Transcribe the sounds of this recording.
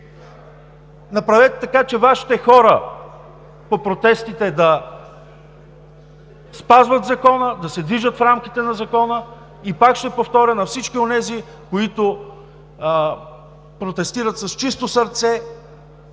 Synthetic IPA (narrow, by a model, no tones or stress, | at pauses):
nɐpɾɐvɛt̪t̪ɐkat͡ʃɛvaʃi̥t̪ɛxɔɾə | popɾot̪ɛst̪it̪ɛd̪ɐ | spazvət̪zɐkɔnəd̪ɐsɛd̪viʒət̪fɾamk̟ʲit̪ɛnɐzɐkɔnə | ipakʃt̪ɛpoft̪ɔɾʲənɐfsit͡ʃkionɛzi | koit̪o | pɾot̪ɛst̪iɾət̪sɐst͡ʃist̪osɐɾt̪sɛ